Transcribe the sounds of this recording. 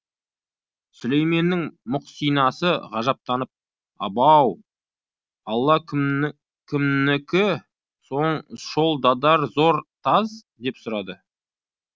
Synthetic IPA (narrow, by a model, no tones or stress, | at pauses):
sʊle̞jme̞nːɪŋmʊqsijnɑsəʁɑʒɑp̚t̪ɑnəp̚ | ɑbɑw | ɑlˠːɑ | kʲʰɪmnɪkʲɪ | so̞ɴʃo̞lˠd̪ɑd̪ɑɾzo̞ɾt̪ʰɑz | d̪e̞psʊɾɑd̪ə